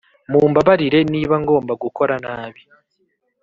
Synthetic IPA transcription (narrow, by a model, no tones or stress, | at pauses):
muːmbaβaɾiɾe̞niːβaŋɡo̞ːmbaɡuko̞ɾanaːβi